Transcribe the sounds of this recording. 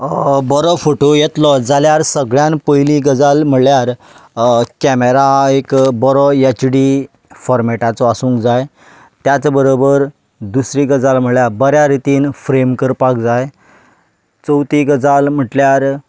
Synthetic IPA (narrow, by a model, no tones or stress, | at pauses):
bɔɾɔfoʈojet̪lɔd͡zaljaɾsəɡɭjãnpəjliɡəd͡zalm̤əɽljaɾ | kɛmeɾaekbɔɾɔet͡ɕɖi | fɔɾmeʈat͡sɔasũːŋkd͡zaj | t̪jat͡sbəɾobəɾ | d̪usɾiɡəd͡zalm̤əɽɭjabəɾjaɾit̪iːnfɾemkəɾpak̚d͡zaj | t͡səwt̪iɡəd͡zalm̤əʈljaɾ